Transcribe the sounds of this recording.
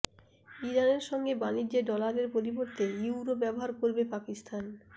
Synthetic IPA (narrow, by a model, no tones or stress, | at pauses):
iɾaneɾʃɔŋɡebaliɾd͡ʑeɖɔlaɾeɾpoɾiboɾt̪ejuwɾobɛboɦaɾkoɾbepakist̪ʰan